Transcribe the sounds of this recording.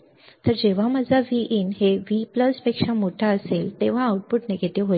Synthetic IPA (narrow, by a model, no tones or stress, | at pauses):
t̪əɾd͡ʑeʋ̤aməd͡zʱaʋiʔinɦeʋipləspekʂamoʈʰaəselt̪eʋ̤aauʈ̚puʈneɡʱet̪eɦo